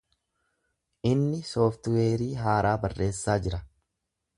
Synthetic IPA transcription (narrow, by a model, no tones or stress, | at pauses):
ʔɪnːɪsoːft̪weːɾiːɦaːɾʔaːbɐrːe̞ːsːaːd͡ʒɪɾɐ